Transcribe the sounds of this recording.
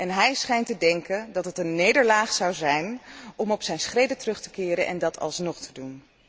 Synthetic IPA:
ʔɛnɦɛjsχɛjntədɛŋkəndɑtɦətənːejdəɹlaːχsɑwzɛjnɔmɔpsɛjnsχrejdətərɵχtə̥kɪːɾənʔɛ̰ndɑtʰɑ̰lˠsnɔχtʰədun

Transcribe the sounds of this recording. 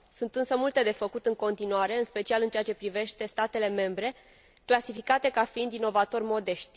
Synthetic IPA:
sunt̪ɨnsəmult̪e̞d̪e̞fəkut̪ɨŋko̞nt̪inuaɾe̞ɨnspe̞t͡ʃialɨnt͡ʃeat͡ʃe̞pɾive̞ʃt̪e̞st̪at̪e̞le̞me̞mbɾe̞ | klasifikat̪e̞kafiind̪ino̞vat̪o̞rʲmo̞d̪e̞ʃt̪ʲ

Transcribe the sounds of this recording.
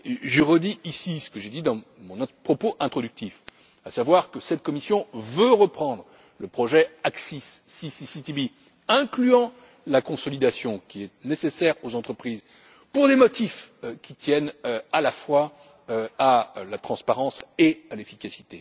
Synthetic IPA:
ʒəʁəd̪iisisə̥kəʒed̪id̪ɑ̃mɔ̃npχɔpoʔɛ̃t̪χɔd̪yk̚t̪if | asavwaʁkəsɛt̪̚kɔmisjɔ̃vøʁəpχɑ̃d̪ʁ | ləpχɔʒɛaksisːisisit̪ibi | ɛ̃klyɑ̃ | lakɔ̃sɔlid̪asjɔ̃kʲiɛtnesesɛʁozɑ̃t̪χəpχiz | puʁd̪emɔt̪ifkʲit̪jɛnalafwa | øalat̪χɑ̃spaʁɑ̃sealefikʲasi̥t̪e

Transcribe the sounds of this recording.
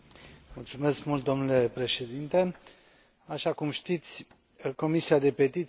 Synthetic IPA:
mult̪sume̞skmult̪̚d̪o̞mnule̞pɾe̞ʃe̞d̪int̪e̞ | aʃakumʃt̪it̪sʲ | ko̞misiad̪e̞pe̞t̪it̪

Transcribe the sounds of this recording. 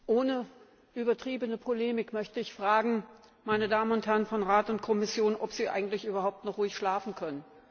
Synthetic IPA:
ʔoːnə | ʔyːbɐtʁ̥iːbənəpʰoleːmɪkmœçtəɪçfʁ̥aːɡŋ̩ | maɪnədaːmənʊnthɛɐʁənfɔnʁaːtʊnt̚kʰɔmɪsjoːnʔɔpz̥iːʔa̰ɪɡŋ̩tlɪçʔyːbɐɦhaʊp̚tnɔχʁuːɪçʃlaːfn̩kʰœnən

